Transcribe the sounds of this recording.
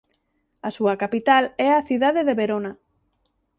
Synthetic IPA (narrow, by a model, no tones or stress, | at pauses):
asuɐkapit̪alɛaθiðaðeðeβeɾona